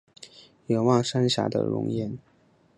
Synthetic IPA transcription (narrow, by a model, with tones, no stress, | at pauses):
jo˨˩wɑ˥˩ʂa˥nɕja̰˧˥d̪ə̰˨ɻʊ̰˧˥ŋjɛ˥˩n